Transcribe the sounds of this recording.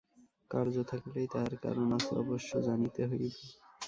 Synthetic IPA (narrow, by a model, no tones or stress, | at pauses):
kaɾd͡ʑot̪ʰaklejt̪aɾka̰ɾonasɔ̰boʃːod͡ʑanit̪eɦojbe